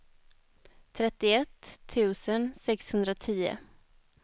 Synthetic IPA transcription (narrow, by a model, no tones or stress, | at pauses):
t̪ʰɾɛt̪ːɪɛt̪ʰːʉ̟ːsənsɛkshɵnd̪ɾat̪ʰiːʊ̰